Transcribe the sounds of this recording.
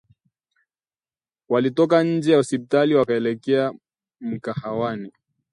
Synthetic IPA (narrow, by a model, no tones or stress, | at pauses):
walitɔk̬aɲ̩d͡ʒɛjausipitaliwakaɛlɛkɛa | m̩kahawani